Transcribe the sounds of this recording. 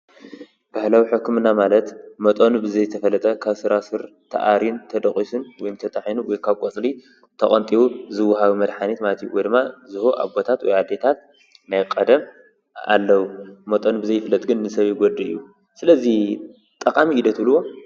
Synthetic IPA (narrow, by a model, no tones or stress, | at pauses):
b̥ahlawiħɨkʰːɨmɨnːamalɐt̪mɐt̪ʼonubɨzɐjɨt̪ʰɐfɐlɐt̪ʼɐkʰaβsɨɾasɨɾt̪ʰɐ̰ʔa̰ɾint̪ʰɐd̪ɐχʼisɨnwɔjnɨt̪ʰɐt̪ʼaħinuwɔjkʰaβkʼot͡sʼli | t̪ʰɐχʼɐnt̪ʼiwuzɨwːaɦaβimɐd̪ħaniet̪malɐt̪ijṵwɔjd̪ɨmːazɨhoʔa̰βbot̪ʰat̪wɔ̰jad̪e̞t̪ʰat̪ | najqʼɐd̪ɐm | a̰lːɐwumɐt̪ʼonubɨzɐjɨflːɐt̪ʼɡɨnːɨsɐβjiɡʷɔd̪ɨɨ̰jːu | sɨlɐzi | t̪ʼɐkʼamiːd̪ɐt̪ɨβlɨwo